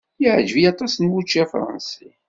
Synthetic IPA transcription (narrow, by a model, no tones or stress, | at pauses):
jiʕd͡ʒəvijɑt̪ˤɑsnwut͡ʃːæfɾˤɑ̰nsi